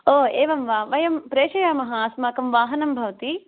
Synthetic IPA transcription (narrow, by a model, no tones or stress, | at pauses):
oːeːʋɐmʋaːʋɐjɐmpɾeːʃɐjaːmɐɦɐaːsmaːkɐmʋaːɦɐnɐmbʱɐʋɐt̪i